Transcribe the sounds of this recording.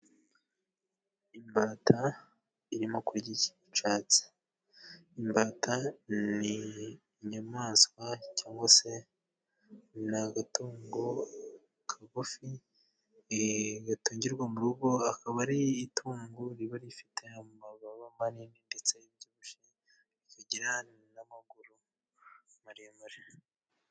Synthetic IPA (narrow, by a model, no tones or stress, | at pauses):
imbatʰa | iɾimo̞kuɾɟici̥ | t͡ʃaːt͡si̥ | imbaːtani | ɲamaːskwacaːŋɡwase̞ | naɡatuːŋɡo | kʰaɡufi | ɡatuːɲɟiɾɡwamuɾuɡo̞akaβaɾiːtʰuːŋɡuɾiβaɾifi̥te̞amaβaβamaniːndindet͡seibɟuβuʃi | ɾikaɟiɾanamaɡuɾu | maɾijamaɾi